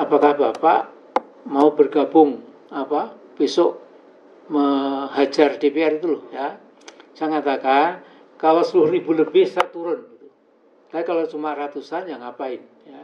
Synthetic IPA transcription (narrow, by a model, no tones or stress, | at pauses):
apakahbapaʔ | maubərɡabʊŋ | apa | pisʊʔ | məɦad͡ʒardepearit̪ulʊhja | saŋat̪akan | kalosəluribuləbɪhsat̪uɾʊnɡit̪u | lajkalot͡ʃumarat̪usanjaŋapaɪn | ja